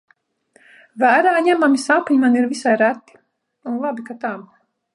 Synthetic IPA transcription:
væːɾaːɲæmamisapɲimaniɾvisajɾæt̪ːi̥ | unlˠabikat̪am

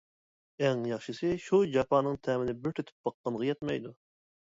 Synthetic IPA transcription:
ɛŋjɑχʃɨsɨʃud͡ʒɑpʰɑːnɨŋt̪ʰæmɪnɪbɪɾt̪ʰøt̪ʰy̥p̚b̥ɑqːɑnʁɑjɛt̪mɑjd̪u

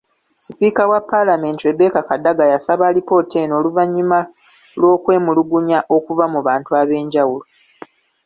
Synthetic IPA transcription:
sipikawapːalame̞ːntiwe̞be̞ːkakadːaɡajasaβalipo̞ːteno̞ːluvaɲːima | lwo̞ːkwe̞ːmuluɡuɲaʔo̞kuvamuβaːntuaβe̞ːɲɟawulo

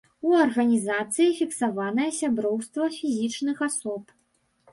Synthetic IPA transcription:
uɐrɣɐnʲizat̪sɨjifʲiksavan̪ɐjɐsʲabɾɔwst̪vɐfʲizʲit͡ʂnɨxasɔp

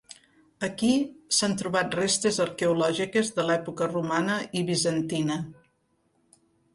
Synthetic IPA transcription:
əkisant̪ɾuβat̪̚rest̪ezəɾkeulɔʒikezðəlɛpukərumanəiβizənt̪inə

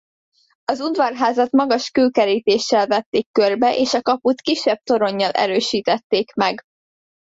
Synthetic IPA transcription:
ɒzud̪vɒrɦaːzɒt̪mɒɡɒʃkøːkɛɾiːt̪eːʃːɛlvɛt̪ːeːkːørbɛʔeːʃɒkɒput̪kiʃːɛb̚t̪o̞ɾo̞ɲːɒlʔɛ̰ɾøːʃiːt̪ɛt̪ːeːkmɛɡ

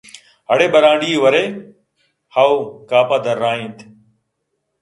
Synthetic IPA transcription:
ɦəɽeːɓəɾaːɖiːʋəɾeː | haːuːkaːpaːd̪əɾːaːɦĩːt̪ʰː

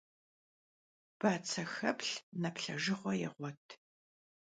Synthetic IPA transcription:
b̥aːt͡sʰɐxɐpɬnɐpɬɐʒɪχʷɔjɛ̰ʁʷɔtʰ

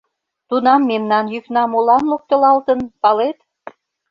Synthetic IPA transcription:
t̪unɑmːemnɑnjyknɑmolɑnlok̚t̪ə̆lɑlt̪ənpɑlet̪

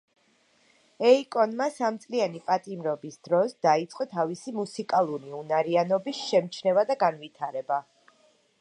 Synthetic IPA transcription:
ɛikʼɔnmasamt̪sʼlianipʼat̪ʼimɾɔbisd̪̥ɾɔsd̪ait̪sʼqʼɔt̪ʰavisimusikʼalˠuɾiunaɾianɔbisʃɛmt͡ʃʰnɛvad̪aɡanvit̪ʰaɾɛba

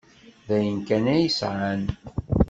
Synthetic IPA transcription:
ðæjənkænæjəsʕan

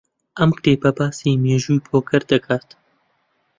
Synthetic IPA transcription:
ʔɐmkt̪eːbɐbaːsiːmeːʒuːjpʰoːkʰɐɾd̪ɐkʰaːt̪

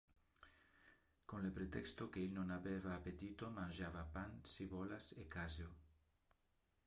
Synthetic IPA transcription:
konlepɾet̪ɛkst̪okeelnõnaβeβaːpet̪it̪omãnʲʒaβapansiβolasekazjo

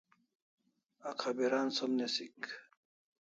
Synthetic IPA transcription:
akʰabiɾansomnesik

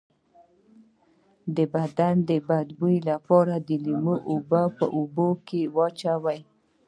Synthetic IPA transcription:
d̪əbad̪and̪əbad̪builapɔɾad̪əlimoʔubapə̰ʔubokewɑt͡ʃawaj

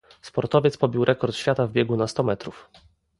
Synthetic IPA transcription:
spɔɾt̪ɔvʲjɛt̪spɔbʲiwɾʔɛkɔɾt̪ɕfʲjat̪avbʲjɛɡunast̪ɔmɛt̪ɾuf

